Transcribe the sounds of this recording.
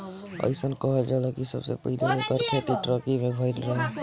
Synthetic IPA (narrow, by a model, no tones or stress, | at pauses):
ə̰ɪsənkəɦd͡ʒaːlɔkisə̰bsḛpəɪliɦekəɾkʰet̪iʈɾəkimẽbʱəɪlɾəɦɛ